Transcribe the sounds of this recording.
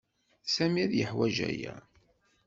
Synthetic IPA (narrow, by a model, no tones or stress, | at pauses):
sæmiæðjəħwæʒæ̰jæ